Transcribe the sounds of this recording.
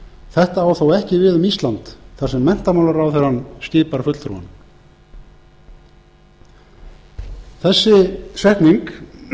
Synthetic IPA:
θɛht̪aːwθowɛhcɪvɪðʏmist̪lant̪θaɾ̥sɛmːɛn̥t̪amawlaɾawθɛɾanst̪ɪːpaɾ̥fʏt̪l̥θʰɾṵwa̰n | θɛsːɪsvɛhkniŋk

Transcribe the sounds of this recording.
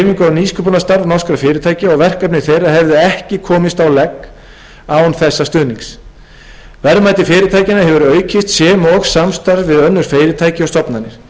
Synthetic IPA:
miŋkʏawniːskʰœpʏnast̪aɾvnɔ̥skɾafɪːɾɪt̪ʰaːjcɪɔɣvɛr̥kœpnɪ̥θejraɦɛvðɪɛhcɪkʰɔːmɪst̪awlɛkː | awnθɛsːast̪ʏːniŋks | vɛɾmajt̪ɪfɪːɾɪt̪ʰaːjcɪnaɦɛvʏɾœːɥcʰɪst̪sjɛːmɔɣsamst̪aɾðvɪðœnːʏɾ̥feːjɾɪt̪ʰaːjcɪɔst̪ɔpnanːɪɾ̥

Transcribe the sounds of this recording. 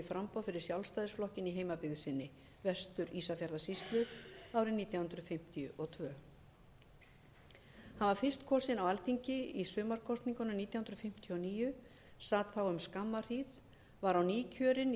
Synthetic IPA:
ɪfɾampɔwðfɪɾɪɾ̥sjawlst̪ajðɪsflɔhcɪniɦeːjmapɪðsɪnːɪ | vɛst̪ʏɾiːsafjaɾðasist̪lʏaːwɾɪniːt̪jahʏnd̪ɾʏðfɪm̥t̪ijʏʔɔt̪ʰvœː | hanvaɾ̥fɪr̥st̪kʰɔːsɪnawalt̪iɲcɪisʏːmaɾ̥kʰɔst̪niŋkʏnʏniːt̪jahʏnd̪ɾðfɪm̥t̪ʰjʏɔniːjʏ | saːt̪θawʏmskamːar̥ið | vaɾawniːcʰœːɾɪn

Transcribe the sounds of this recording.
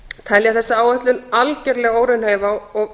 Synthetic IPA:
t̪ʰɛljaθɛsːaaːwœht̪lʏnalcɛɾlɛːɣoːwɾɪnheːjvaɔɣ

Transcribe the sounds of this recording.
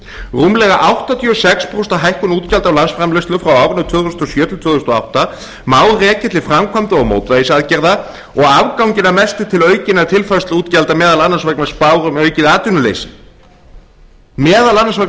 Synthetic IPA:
ruːmlɛɣaʔawht̪at̪ʰjʏsɛkspɾowst̪aɦajhkʏnuːt̪calt̪awlansfɾamlʏst̪lʏfɾawawvnʏðt̪ʰvʏːðst̪ɔsjœːt̪ɪlt̪ʰœːðust̪ɔa̰wht̪a | maːwðrɛːcɛt̪lɪfɾamkʰvamt̪aɔɣmo̰ːwt̪vaisaðcɛɾða | ɔɣavkawŋɲcɪnamɛst̪ɪt̪ʰɪlœːɥcɪnḁt̪ʰɪlfast̪luːt̪calt̪amɛːðalanːansvaknmaspaːwɾʏmœɥcɪðaːt̪ʏnʏlḛjsɪ | mɛːðalanːansvak

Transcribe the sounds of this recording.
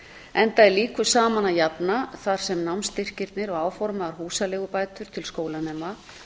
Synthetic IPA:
ɛnt̪aɛliːkvʏsaːmanajapnaθaɾ̥sɛmnawnst̪ɪr̥cɪɾt̪nɪɾɔɣaːwfɔɾmaðaɾ̥huːsalɛːɣʏpaːjt̪ʏɾ̥t̪ʰɪlskoːwlanɛːma

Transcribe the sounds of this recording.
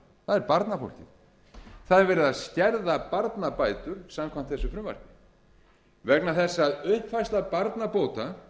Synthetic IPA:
θaðɛɾpaɾt̪nafo̰wl̥cɪð | θaðɛɾvɛːɾɪðaðscɛɾðapaɾt̪napaːjt̪ʏɾ̥samkʰvam̥t̪θɛsʏfɾʏmva̰ɾ̥kɪ | vɛknaθɛsːaːðʏhpfajst̪lapaɾt̪napoːwt̪a

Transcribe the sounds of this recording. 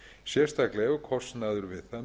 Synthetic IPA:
sjɛ̥st̪ʰaklɛɣakʰɔst̪naðʏɾvɪðθan

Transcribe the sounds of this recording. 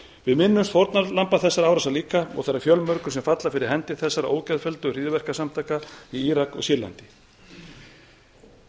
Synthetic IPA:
vɪðmɪnːʏmst̪fɔɾt̪nalampaθɛsːaɾaːwɾasaliːkaɔ̰ɣθɛɾːaɾfjœlmœɾkʏ̥sɛmfat̪lafɪɾɪɾ̥ɦɛnt̪ɪ̥θɛsːaɾaʔo̰ːwcɛðfɛlt̪ʏr̥iːðvɛr̥kasamt̪ʰaːjkaiiːɾakɔ̰ɣsɪɾla̰nt̪ɪ

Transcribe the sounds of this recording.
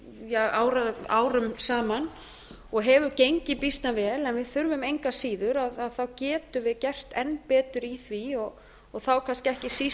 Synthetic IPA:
jɛɣaːwɾaða̰ːwɾʏmsaːman | ɔɣɦɛːvʏcejɲcɪpist̪navɛːlɛnvɪðθʏɾvʏmejŋkasiːðʏɾaðaðθawcɛːt̪ʏvɪðcɛr̥t̪ɛnːpɛːt̪ʏɾiθviɔɣ | ɔɣθawkʰanscɛhcɪsi

